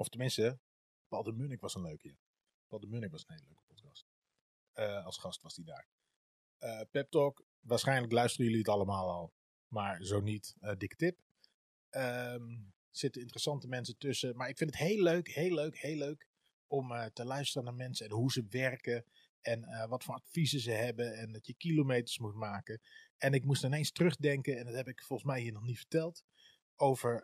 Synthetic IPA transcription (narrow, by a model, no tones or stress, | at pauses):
ɔftəmɪnstə | pɑlˠdəmynɪkʋɑsənløɥkjə | pɑlˠdəmynɪkʋɑsən̩hejløɥkə̥pɔtkɑst̚ | əɑlˠsχɑstʋɑsdida̰ːɹ | əpɛp̚tɔk | ʋaːɹsχɛjnləklœɥstərəjɵliətɑləmaːlˠɔlˠ | maːɹzoːnitədɪkə̥tɪp | əm | sɪtəɪntərəsɑntəmɛnsətøsəmaɹɪkfɪndətheːløɥkheːlːøɥkheːlːøɥk | ɔmtəlœɥstərənaːɹmɛnsəɛnɦuzəʋɛrkə | ɛnəʋɔtfoːratfizəzəɦɛbəɛndɔtjəkilomejtə̥ɹsmutmaːkəɛnɪkmustɪnejnstərɵχdɛŋkəɛndɔthɛpɪkfɔlˠən̩smɛjɦiːnɔχnitfə̥ɹtɛlˠt | owv̥əɹ